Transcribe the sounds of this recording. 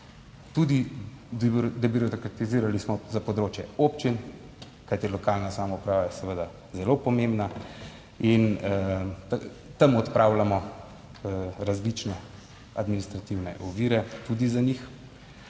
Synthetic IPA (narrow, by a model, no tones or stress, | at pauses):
t̪ud̪i | d̪ɛbiɾɔt̪kɾat̪iziːɾalismɔzapɔd̪ɾoːt͡ʃjɛopt͡ʃin | kajt̪ijɛlɔkalnasaːmɔupɾaːʋajɛsɛʋəd̪a | zɛlopɔmẽmbna | in | t̪a | t̪ɐmɔt̪pɾaːwlamɔ | ɾazlit͡ʃnɛ | a̰d̪minist̪ɾat̪iwnɛ̰ʔɔʋiːɾɛt̪ud̪izanix